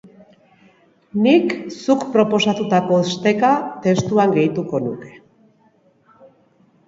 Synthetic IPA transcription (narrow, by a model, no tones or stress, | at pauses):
niksukpɾo̞po̞sat̪ut̪ako̞est̪e̞kat̪e̞st̪uaŋɡe̞jt̪uko̞nuke̞̥